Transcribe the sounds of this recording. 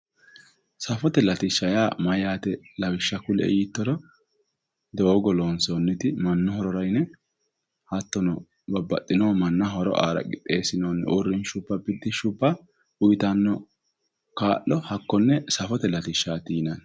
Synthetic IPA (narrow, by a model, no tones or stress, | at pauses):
sɐfɔt̪ɛlɐt̪ɪʃːɐjaːmɐjaːt̪ɛlɐwɪʃːɐkʊlɛ̰jɪt̪ːɔɾɔ | d̪oːɡɔloːnsonːɪt̪ɪmɐnːɔhɔɾɔɾɐjnɛ | hɐt̪ːɔnɔ | bɐbːɐ̰t̪ʼːɪnoːmɐnːɐɦɔɾɔ̰ʔa̰ːɾɐ̰ɡɪt̪ʼːe̞ːsɪnoːnʔʊrːɪnʃʊpːɐbɪd̪ːɪʃʊpːɐ | ʊjt̪ɐnːɔ | kaːʔːɔhɐkːɔnːɛsɐfɔt̪ɛlɐt̪ɪʃːaːt̪iːnɐn